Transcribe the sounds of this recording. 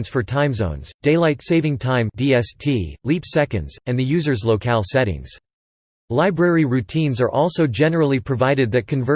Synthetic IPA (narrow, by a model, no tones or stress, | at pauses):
nsfə˞tʰãɪ̃mzõ̰ʊ̃nz̥d̥eɪlaɪtseɪvɪ̃ŋtʰãɪ̃mdiɛstʰilipsɛkɨ̰̃ndz̥ɨ̃nðɨjʉzə˞zloʊkʰælˠsɛɾɪ̰̃ŋz̥ | laɪbɹɛɹiɹʉtʰĩnzə˞ʔɔlˠsoʊd͡ʒɛnə˞l̩ˠipʰɹ̥ɨvaɪɾɨd̪̚ðɨt̚kʰɨ̃nvɜ